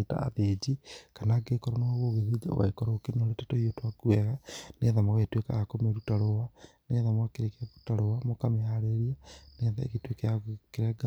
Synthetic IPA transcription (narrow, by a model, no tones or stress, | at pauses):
ta̰a̰ðed͡ʒikanaɡekɔɾɔnaoɣoɣeðid͡ʒa̰wa̰ikɔɾokenoɾetatoiotwakuɛɣaneðamaɣetweka̰ɣakomeɾutaɾowaneðamakeɾekaβu̥taɾoamokamehaɾeɾianeðaḛɣitwekejakeɾɛɡa